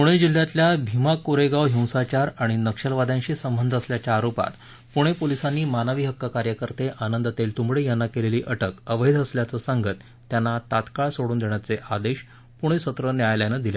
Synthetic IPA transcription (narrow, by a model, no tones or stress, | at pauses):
puɽ̃ed͡ʑil̤ːjat̪ljabʱimakoɾeɡaʋɦĩw̃sat͡ɕaɾaɽ̃inəkʂəlʋad̪ãɲɕiːsəmbənd̪ʱəsljat͡ɕaːɾopa̰t̪ | puɽ̃epolisanːiːmanəʋiːɦəkːakaɾjəkəɾt̪eʔanənd̪ʱt̪elt̪umɭejanːakeleliːʔəʈəkəʋəid̪əsljat͡səːsaŋɡət̪ːjanːat̪at̪kaɭsoɽuːnd̪eɳ̃jat͡seʔad̪eɕ | puɽ̃esət̪ɾənjajljanəd̪ile